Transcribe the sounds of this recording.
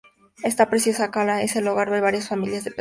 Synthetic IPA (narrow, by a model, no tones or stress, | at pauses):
est̪apɾesjosakalaeseluɣaɾβeβaɾjasfamiljazðepe